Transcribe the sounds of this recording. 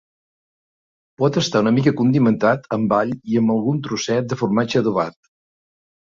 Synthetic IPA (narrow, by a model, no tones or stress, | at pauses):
pɔt̪əst̪aunəmikəkund̪imənt̪at̪ʰəmbaʎiəmbəlˠɣunt̪ɾusɛt̪̚d̪əfurmad͡ʒəðuβa̰t̪̚